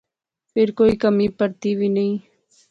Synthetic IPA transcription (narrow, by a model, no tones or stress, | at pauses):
pɪɾkojkamɪpaɾt̪ɪwɪnɪj